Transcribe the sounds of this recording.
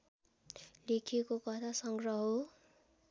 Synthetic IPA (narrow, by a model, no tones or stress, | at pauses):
lekʰekokʌt̪ʰasʌŋɡrʌɦo